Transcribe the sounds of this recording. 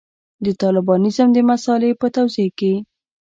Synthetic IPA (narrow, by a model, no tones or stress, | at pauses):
d̪ət̪ɑlɪbɑnɪzəmd̪əmasɑlepət̪awzeke